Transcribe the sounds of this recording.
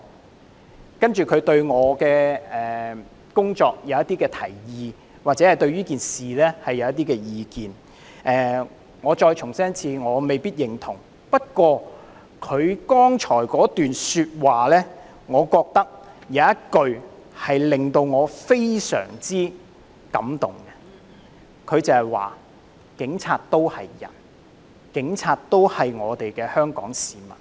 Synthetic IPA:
kɐ˥nt͡ʃyː˨kʰɵ˨˧ɥt̪ɵ˧ɥŋɔː˨˧kɛː˧ɛː˨ | kʊ˥ŋt͡ʃɔː˧k̚jɐ˨˧wjɐ˥t̪̚iː˥kɛː˧t̪ʰɐ̰˨˩jjiː˨˧ | waː˨˩t͡sɛː˨˥hɐ˨jt̪ɵ˧ɥyː˥kiː˨nsiː˨lɛː˥hɐ˨jːɐ˨˧wjɐ˥t̪̚iː˥kɛː˧jiː˨˧kiː˨n | ʔɛː˨˩ | ŋɔː˨˧t͡ʃɔː˧jt͡ʃʰʊ˨˩ŋsɐː˥ŋt͡sʰiː˧ŋɔː˨˧me˨jpiː˥t̚jɪ˨ŋt̪ʰʊ̰˨˩ŋ | pɐ˥t̚kwɔː˧ | kʰɵ˨˧ɥkɔː˥ŋt͡ʃʰɔː˨˩jkɔː˨˥t̪yː˨nsyː˧t̚waː˨lɛː˥ | ŋɔː˨˧kɔː˧k̚t̪ɐ˥k̚jɐ˨˧wjɐ˥t̚kɵ˧ɥ | hɐ˨jlɪ˨ŋt̪o˧wŋɔː˨˧fe˥jsœ̰ː˨˩ŋt͡siː˥ | kɐ̰˨˥mt̪ʊ˨˩ŋɡɛ˧ | kʰɵ˨˧ɥt͡sɐ˨hɐ˨jwa̰ː˨ | kɪ˨˥ŋt͡sʰaː˧t̚t̪o˥whɐ˨jːɐ̰˨˩n | kɪ˨˥ŋt͡sʰaː˧t̚t̪o˥whɐ˨jŋɔː˨˧t̪e˨jkɛː˧hœː˥ŋkɔ̰ː˨˥ŋsiː˨˩mɐ̰˨˩n̚

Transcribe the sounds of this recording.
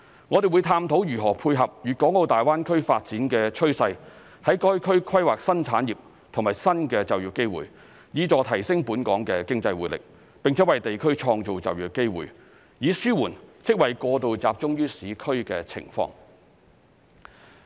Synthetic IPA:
ŋɔː˨˧e˨wu˨˧jt̪ʰaː˧mt̪ʰo˨˥wjyː˨˩ɦɔː˨˩pʰuː˧jɦɐ˨p̚jyː˨kɔː˨˥ŋo˨˧wt̪aː˨˩jwaː˥nkʰɵ˥ɥfaː˧t̚t͡siː˨˥nkɛː˧t͡ʃʰɵ˥ɥsɐ˧j | hɐ˨˥jkɔː˥jkʰɵ˥ɥkʰɐ˥jwaː˨k̚sɐ˥nt͡sʰaː˨˥njiː˨p̚ | t̪ʰʊ˨˩ŋmaː˨˩jsɐ˥nkɛː˧t͡sɐ˨wjyː˨˩kːe˥jwṵː˨˩j | jiː˨˧t͡sɔː˨˧t̪ʰɐ˨˩jsɪ˥ŋpuː˨˥nkɔː˨˥ŋkɛː˧kɪ˥ŋt͡sɐ˧jwṵː˨˥lɪ̰˨k̚ | pɪ˨ŋt͡sʰɛː˨˥wɐ˨jt̪e˨jkʰɵ˥ɥt͡ʃʰɔː˧ŋt͡so˨wt͡sɐ̰˨wjyː˨˩ke˥jwṵː˨˩j | jiː˨˧syː˥wuː˨˩nt͡sʰɪ˥k̚wɐ˨jkɔː˧t̪̬o˨wt͡saː˨p̚t͡sʊ˥ŋjyː˥siː˨˥kʰɵ˥ɥkɛː˧t͡sʰɪ̰˨˩ŋfɔ̰ː˧ŋ

